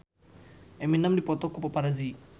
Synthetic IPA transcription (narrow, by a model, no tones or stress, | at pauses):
ʔɛminamdipɔt̪ɔkupapaɾazi